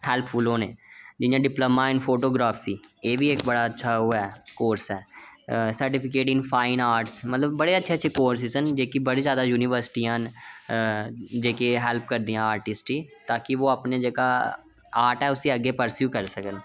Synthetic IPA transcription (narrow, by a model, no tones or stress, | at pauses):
hɛːlpʰːulõːneːd͡ʒɪjãːɖɪpləmãːɪnpʰoːʈoːɡɾaːpʰiːeːʋiːekbəɽaːətːʃʰaːɦoːaɛkoːɾsɛːsəɾʈɪpʰɪk̬eːʈɪ̃ŋɡpʰaːɪnaːɾʈsmət̪ləbːəɽeːətːʃʰeːətːʃʰeːkoːɾs̬iːsənd͡ʒeːkibəɽiːzjaːd̪aːjuːnɪʋəɾsɪ̥ʈiːãːn | d͡ʒeːkeɦɛːlp̚kəɾd̪iːjãːaːɾʈɪsʈiːt̪aːkɪʋoːəpned͡ʒeːkaː | aːɾʈɛːʊsĩəɡːeːpəɾsjuːkəɾsəkən